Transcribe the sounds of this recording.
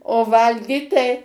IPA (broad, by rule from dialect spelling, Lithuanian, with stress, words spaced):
oː ˈʋɐlʲɡʲiːt tɐɪ